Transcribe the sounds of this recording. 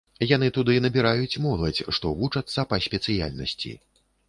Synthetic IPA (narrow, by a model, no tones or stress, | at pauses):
janɨt̪ud̪ɨnɐbʲiɾajut͡sʲmɔlˠɐt͡sʲʂt̪ɔvut͡ʂɐt̪sːɐpɐsʲpʲɛt̪sɨja̰lʲnɐ̰sʲt͡sʲḭ